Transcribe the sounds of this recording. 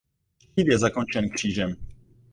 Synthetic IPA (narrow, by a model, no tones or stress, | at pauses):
ciːt̪jɛzakont͡ʃɛnkr̝̥iːʒɛm